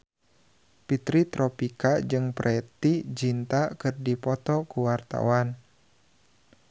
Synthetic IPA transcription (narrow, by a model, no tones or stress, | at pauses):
pit̪ɾit̪ɾɔpikad͡ʒɨŋpɾʔɛt̪id͡ʒint̪akɨrdipɔt̪ɔkuwart̪a̰wan